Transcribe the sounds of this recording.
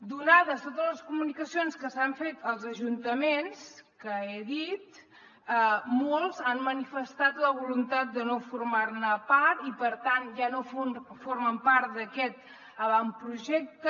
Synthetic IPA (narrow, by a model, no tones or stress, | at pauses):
d̪unaðəst̪ot̪əzləskumunikəsionskəsaɱfet̪əlˠzəʒunt̪əmenskəeðit̪ | əmolˠzanmənifəst̪at̪ləβulunt̪at̪̚d̪ənofuɾmarnəpaɾt̪ipəɾt̪anʒanofonfoɾməmpaɾt̪̚d̪əkɛt̪̚ | əβampɾuʒɛk̚t̪ə